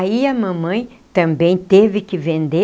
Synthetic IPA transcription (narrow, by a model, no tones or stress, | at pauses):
iɐmɐ̃mɐ̃j̃ | t̪ɐ̃mbẽj̃t̪evɪkɪvẽnd̪e